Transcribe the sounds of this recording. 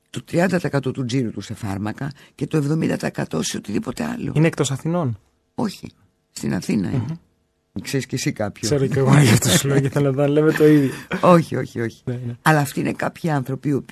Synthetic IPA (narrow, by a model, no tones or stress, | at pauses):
t̪o̞t̪ɾiɐnd̪ɐt̪ɐekɐt̪o̞t̪ud͡ziɾut̪use̞fɐ̰ɾmɐkɐce̞t̪o̞e̞vðo̞mind̪ɐt̪ɐekɐt̪o̞seot̪iðipo̞t̪e̞ɐ̰lo̞̰ineek̚t̪o̞sɐθino̞n | o̞çḭ | st̪inɐ̰θinɐ̰in | kseɾisce̞sikɐpçoseɾoceɣoʝɐft̪oslociθelnɐðɐnlemet̪o̞iðʝoo̞çio̞çio̞çi̥nenɐlɐːft̪iine̞kɐpçiɐnθɾo̞pio̞p